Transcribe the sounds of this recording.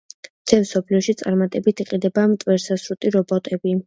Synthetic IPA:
t̪ʰɛmsɔpʰliɔʃit̪sʼaɾmat̪ʼɛbit̪ʰiqʼid̪ɛbamt̪ʼwɛɾsasɾut̪ʼiɾɔbɔt̪ʼɛbi

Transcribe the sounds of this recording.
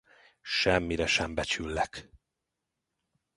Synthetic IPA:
ʃɛmːiɾɛʃɛmbɛt͡ʃylːɛk

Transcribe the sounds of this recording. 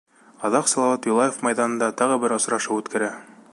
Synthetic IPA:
ɑðɑqsɑlˠɑwɑt̪julˠɑjefmɑjðɑnɤ̆nd̪ɑt̪ɑʁɤbɘɾŏsɾɑʃɤʉt̪kʰæɾæ

